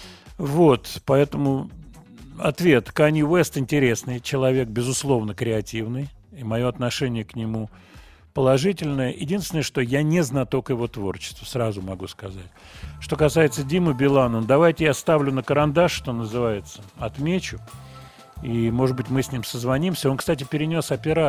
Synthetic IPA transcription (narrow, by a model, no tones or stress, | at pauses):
vo̞t̪pɐɛt̪əmʊ | ɐ̰t̪vʲe̞t̪kanʲjʊvɛst̪ɪnʲtʲɪɾʲe̞snɨjt͡ɕɪlˠɐvʲe̞k̚bʲɪzʊslˠo̞vnəkɾʲɪɐtʲivnɨj | imɐjo̞ɐt̪nɐʂɛnʲɪjəknʲɪmu | pəlˠɐʐɨtʲɪlʲnəjəjɪdʲinst̪ʲɪnəʂt̪o̞janʲɪznat̪okjɪvo̞t̪vo̞rt͡ɕɪ̥st̪vʊsɾazʊmɐɡuskɐzatʲ | ʂt̪o̞kɐsajɪt̪sədʲiməbʲɪlˠanənd̪ɐvajtʲɪjast̪avlʲʊnəkəɾɐnd̪aʂʂt̪o̞nəzɨvajɪt̪səɐt̪mʲet͡ɕʊ | imo̞ʐɨd̪̚bɨtʲmɨsʲnʲimsəzvɐnʲimsʲəo̞nkst̪at̬ʲɪpʲɪɾʲɪnʲo̞sɐpʲɪɾa